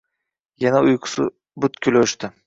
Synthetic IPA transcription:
janaʊjqʰʊ̥sʊ̰ | bʊt̪kʲʰyloʃt̪ɪ

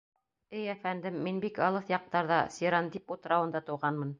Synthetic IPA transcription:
ɘjæfænd̪ɘmːinbikɑlˠɤθjɑq̚t̪ɑɾðɑsʲiɾɑnd̪iput̪ɤ̆ɾɑwɤ̆nd̪ɑt̪ɤ̆wʁɑnmɤn

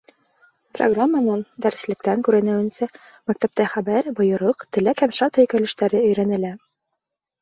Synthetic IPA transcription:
pro̰ɡramːanɤnd̪æɾ̆slɘ̆kt̪æŋkʉɾɘ̆nɘ̆wɘ̆nsæ | mæk̚t̪æp̚t̪æχæbæɾbŏjɤ̆ɾɤqt̪ɘ̆lækhæmʃɑɾt̪æ̆jkæ̆lɘ̆ʃt̪æɾɘɵ̆jɾænɘ̆læ

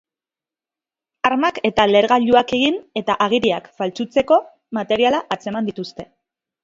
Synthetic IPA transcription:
aɾmake̞t̪ale̞ɾɣaʎuake̞ɣine̞t̪aʔaɣ̞iɾiakfalt͡sut͡se̞ko̞ | mat̪e̞ɾialaʔat͡se̞mand̪it̪ust̪e̞

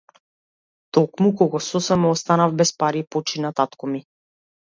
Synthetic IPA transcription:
t̪ɔkmukɔɡɔsɔsɛmɔst̪anavbɛspaɾipɔt͡ʃinat̪at̪kɔmi

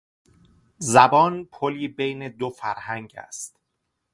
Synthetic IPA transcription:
zæbɒːnpʰoliːbejne̞d̪ofæɾhæŋɡæ̰st̪

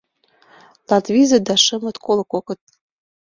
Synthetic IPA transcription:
lɑt̪vʲizɤ̆d̪ɑʃɤ̆mɤ̆t̪kʰolˠkokɤ̆t̪̚

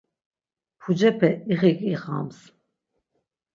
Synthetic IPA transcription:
pʰud͡ʒɛpʰɛiʁikʼiʁa̰ms

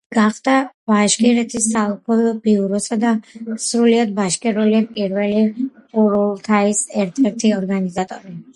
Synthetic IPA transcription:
ɡ̥aχd̪ab̥aʃkʼɛɾɛt̪ʰisalˠpʰɔlɔbiuɾɔsad̪asɾuliad̪baʃkʼɛɾuliɛpʼiɾvɛliqʼuɾulˠt̪ʰaisɛɾt̪ʰɛɾt̪ʰiɔɾɡanizat̪ʼɔɾi

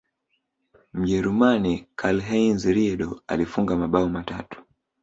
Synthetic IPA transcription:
m̩ʄɛɾumanikʰalɦɛinzɾiɛɗɔa̰lifuŋɡamaɓaɔmatatu̥

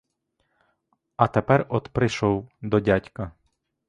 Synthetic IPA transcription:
ɐt̪epɛrɔd̪pɾɪʃɔwd̪ɔdʲatʲkɐ

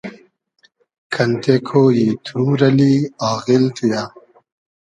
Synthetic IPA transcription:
kʰɐnt̪ekʰoːjiːt̪ʰuɾɐliaːɣilt̪ʰija

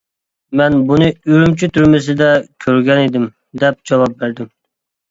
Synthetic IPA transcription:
mɛnbunɨyɾymt͡ʃʰyt̪ʰyɾmɪs̬ɪd̪ɛkʲʰøɾɡʲɛnɪd̪ɪm | d̪ɛp̚d͡ʒɑwɑp̚bæɾd̪ɪm

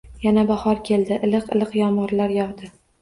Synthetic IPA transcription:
janabahɒɾkʲʰe̞ld̪ɪʔɪlɨqɨlˠɨqjɒmʁɨɾlaɾjɒʁd̪ɪ

